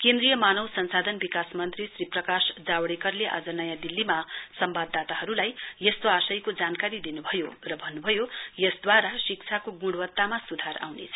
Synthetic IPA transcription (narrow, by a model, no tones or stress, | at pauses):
kend̪rijʌmanʌwsʌnsad̪ʱʌnbikasmʌnt̪risriprʌkasd͡zawɽekʌrleʔa̰d͡zʌnʌjad̪ilːimasʌmbad̪ːat̪aɦʌɾulajjʌst̪oasʌjkod͡zankaɾid̪inubʱʌjorʌbʱʌnːubʱʌjojʌsd̪waɾasik̚t͡sʰakoɡũɽwʌt̪ːamasud̪ʱaɾa̰wnḛt͡sʰʌ̥